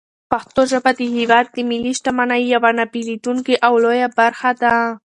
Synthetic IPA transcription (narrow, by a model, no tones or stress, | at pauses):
paxt̪oʒabad̪əhiwɑd̪̚ːəmiliʃʈamanajːawanapilid̪uŋkiʔawlojabaɾxad̪a